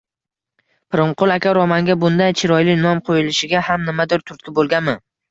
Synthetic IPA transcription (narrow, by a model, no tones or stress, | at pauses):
pʰɪɾɪmqʊlˠakʲaɾɒmaŋɡʲabʊnd̪ajt͡ʃʰɪɾɒjlɪnɒmqʰojɪlɪʃɪɡʲahamnɪmad̪ɪɾt̪ʰʊɾt̪̚kʲɪbolˠɡʲanmɪ